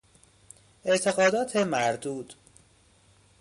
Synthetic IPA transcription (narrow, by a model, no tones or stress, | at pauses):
ʔe̞ʔt̪ʰe̞ɣɒːd̪ɒːt̪ʰemæɾd̪uːd̪̥